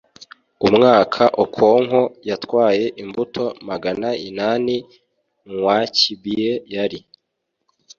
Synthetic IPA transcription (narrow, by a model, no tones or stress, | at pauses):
umŋaːkʰaʔokʰo̞ːŋɦojatwaːje̞ʔimbutʰo̞maɡanainaːni | ŋwacibijejaɾi